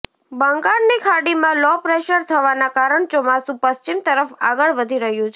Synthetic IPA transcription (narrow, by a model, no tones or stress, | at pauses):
bəŋɡaɾnikʰaɽimãlɔpɾeʃəɾt̪ʰəʋanakaɾəɳt͡ʃɔmasũpəst͡ʃimt̪əɾəfa̰ɡəɭʋəd̪ʱiɾəɦjũt͡ʃʰ